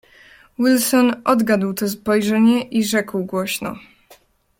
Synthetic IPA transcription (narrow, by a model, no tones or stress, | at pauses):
wilsɔnʔɔd̪ɡad̪wt̪ɔs̬pɔjʐɛɲɛʔiʐɛkwɡwɔɕnɔ̰